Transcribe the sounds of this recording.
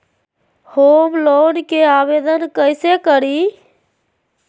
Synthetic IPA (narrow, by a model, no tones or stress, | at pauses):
homlonkeabed̪ənkəjsekəɾi